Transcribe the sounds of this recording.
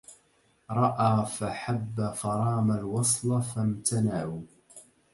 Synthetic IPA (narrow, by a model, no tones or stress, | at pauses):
ɾˤɑʔaːfaħabːafɑɾˤɑːmalwɑsˤlɑfamt̪ʰanaʕuː